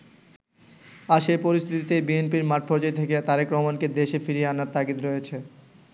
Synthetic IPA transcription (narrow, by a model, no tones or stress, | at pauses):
aɾʃejpoɾist̪ʰit̪it̪ebienpiɾmaɾʈ̚pʰoɾd͡ʑet̪ʰeket̪aɾekɾɔmanked̪eʃefiɾieanaɾt̪aɡit̪ɾoet͡ɕʰe